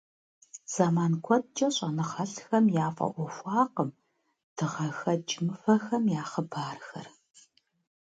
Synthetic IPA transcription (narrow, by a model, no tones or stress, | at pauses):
z̥aːmaːnkʷʰɔt̚t͡ʃʼɐɕʼɐnɨχɐɬxɐmjaːfʼɐ̰ʔʷɔfʷɑːqəm | d̥ʰɨʁɐxɐd͡ʒɪmɨfɐxɐmjaːχəbaːrxɐ̰r